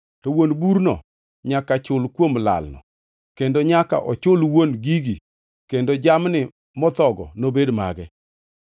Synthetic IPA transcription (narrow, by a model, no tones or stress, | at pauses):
tɔwonbuɾnɔ̰ | ɲakat͡ʃʊlkwomla̰lnɔ̰ | kendoɲaka̰ʔɔt͡ʃʊlwonɡiɡi | kendod͡ʒamnɪ | mɔt̪ɔɡɔ̰nobedma̰ɡɛ